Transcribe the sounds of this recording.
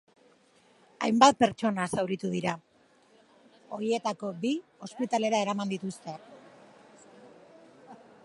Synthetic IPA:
a̰jmbat̪̚pe̞ɾt͡ʃo̞nasawɾit̪uðiɾa | o̞ɾie̞t̪ako̞bio̞spit̪ale̞ɾae̞ɾamand̪it̪ust̪e̞

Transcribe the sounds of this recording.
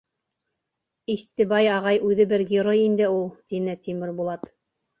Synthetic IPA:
ist̪ɘ̆bɑjɑʁɑjʉðɘbɘɾɡʲɪɾojind̪ɘulˠt̪inɘt̪imɘɾbulˠɑt̪

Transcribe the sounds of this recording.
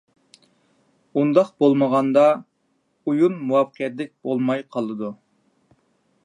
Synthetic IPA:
und̪ɑqbolˠməʁɑnd̪ɑ | ujunmuwɑfqʰijɛt̪lɪk̚ʲbolˠmɑjqʰɑlˠɨd̪u

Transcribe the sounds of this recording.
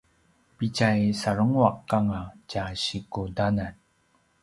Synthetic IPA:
pit͡ɕajsaɾəŋuaqːaŋacaɕikudanan

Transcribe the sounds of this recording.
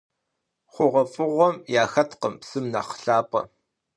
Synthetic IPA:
χʷʊʁɐfʼɨʁʷɔmjaːxɐtʰqəmpsɨmna̰χə̥ɬaːpʼɐ̰

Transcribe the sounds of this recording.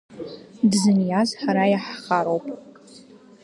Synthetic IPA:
dzɨnjazħaɾajaħaχaɾowpʼ

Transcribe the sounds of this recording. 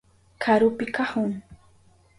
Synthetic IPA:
kʰaɾʊpɪkahʊŋ

